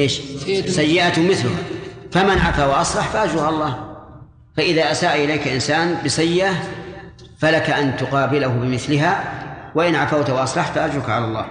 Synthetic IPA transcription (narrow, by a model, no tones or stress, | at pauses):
ʔeːʃsajːɪʔat̪ʊmɪθlʊhafamanʕafaːwaʔɑsˤlɑħfaʔad͡ʒuːʕalalˤːɑːh | faʔɪðaːʔasaːʔʔɪlaːkalʔɪnsaːnbɪsajːɪʔa | falakaʔant̪ʊqɑːbɪlahʊbɪmɪθlɪɦawaʔɪnʕafawt̪waʔɑsˤlɑħfaʔad͡ʒukʕalalˤːɑ̰ːh